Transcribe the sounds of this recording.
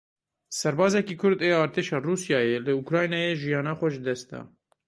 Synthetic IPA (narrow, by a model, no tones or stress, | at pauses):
sɛɾbɑːzɛkiːkʰʊɾd̪eːɑːɾt̪ʰeːʃɑːruːsjɑːjelɨukɾɑːjnɑːjeːʒijɑːnɑːxʷɛʒɨd̪ɛst̪̚d̪ɑ̰ː